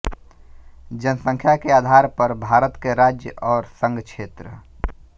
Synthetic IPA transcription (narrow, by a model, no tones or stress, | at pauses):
d͡ʒənəsə̃ŋkʰjakeaːd̪ʱaɾpəɾbʱaːɾət̪keɾad͡ʒjəʔɔːɾsə̃ŋɡkt͡ʃʰeːt̪ɾə